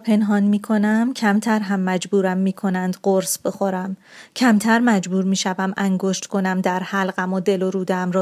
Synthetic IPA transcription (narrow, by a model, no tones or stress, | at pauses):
pʰe̞nɦɒːnmiːkʰo̞næmcʰæmt̪ʰæɾɦæmːæd͡ʒbuːɾæmːiːkʰo̞nænd̪ɢoɾsb̥exoɾæmcʰæmt̪ʰæɾmæd͡ʒbuːɾmiːʃævæmʔæŋɡoʃt̪ko̞næmd̪æɾhælɢæmod̪e̞loɾuːd̪æmɾɒː